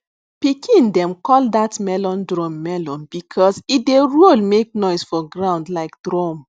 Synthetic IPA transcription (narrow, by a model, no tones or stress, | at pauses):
pikʰĩndɛ̃mkɔldatmɛlɔ̃ndɹɔ̃mːɛlɔ̃nbikʰɔzitdeɹolmek̚nɔɪsfɔɡɹãʊ̃ndlaɪk̚dɹɔm